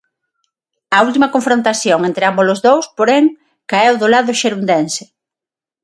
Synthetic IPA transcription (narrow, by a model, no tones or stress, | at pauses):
ɐult̪̬imɐkoɱfɾõnt̪aθjoŋent̪ɾɪambolʊzðowspoɾeŋ | kaewðʊlaðʊʃeɾund̪ensɪ̥